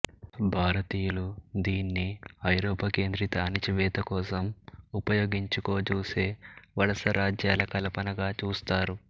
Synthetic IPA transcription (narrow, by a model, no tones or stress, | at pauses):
bʱaːɾɐt̪iːjulud̪iːnːiɐjɾɔːpɐke̞ːnd̪ɾit̪aːnit͡ʃiʋɛːt̪ɐkɔːsɐmupɐjo̞ːɡiɲt͡ʃuko̞ːt͡ʃuːse̞ːʋɐɽɐsɐɾaːd͡ʒjaːlɐkɐlɐpɐnɐɡaːt͡ʃuːst̪aːɾu